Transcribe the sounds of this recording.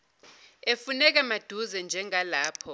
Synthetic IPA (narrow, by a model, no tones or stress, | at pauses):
efunɛk̬amad̥ʱuzɛnd͡ʒʱɛŋʱalaːpʰɔ